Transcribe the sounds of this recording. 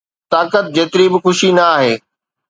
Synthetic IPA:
t̪aːkət̪̚d͡ʑeːt̪ɪɾibɪxʊʃinɐaːɦeː

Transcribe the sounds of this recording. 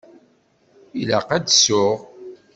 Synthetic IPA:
ilaqæd̪sʊʁ

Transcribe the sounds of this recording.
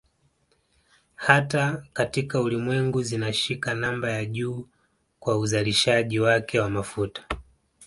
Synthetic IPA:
hatakatikaulimwɛŋɡuzinaʃikanambajaʄuː | kwauzaliʃaʄiwakʰɛwamafutḁ

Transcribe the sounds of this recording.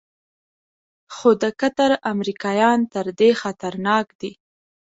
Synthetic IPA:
xod̪əkat̪aɾamɾikɑjɑnt̪əɾd̪exat̪aɾnɑkd̪i

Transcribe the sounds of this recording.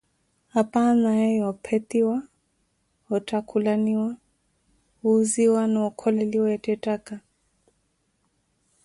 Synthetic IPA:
hapanajɛjɔpʰɛtiwa | hɔtakʰulaniwa | uːziwanaukʰɔlɛliwɔjatɛtaka

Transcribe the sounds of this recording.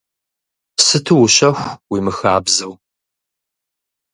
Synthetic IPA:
sɨtʰɨwʊɕɐxʷwiːmɨxaːbzɐw

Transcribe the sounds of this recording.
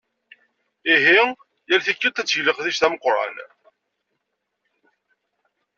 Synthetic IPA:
iɦi | jælθikːit̪ːæt͡sːʝləqθiʃθæməqːɾˤɑ̰n

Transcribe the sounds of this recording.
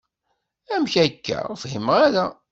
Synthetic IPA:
æmçækːæ̰fhimʁæðæ

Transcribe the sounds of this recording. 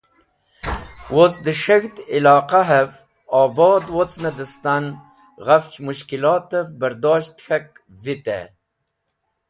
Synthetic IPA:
wosd̪əʃəɣt̪ilɑːqaɦev | ɑːbɑːd̪wot͡snad̪əst̪an | ɣaft͡ʃmuʃkilɑːt̪əvbaɾd̪ɑːʃt̪xak̚ | vit̪ḛ

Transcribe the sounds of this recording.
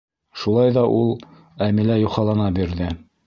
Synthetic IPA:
ʃulˠɑjðɑʔulˠ | æmilæjuχɑlˠɑnɑbiɾðɘ

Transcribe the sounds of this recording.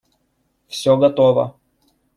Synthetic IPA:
fsʲɔɡɐt̪ɔʋɐ̰

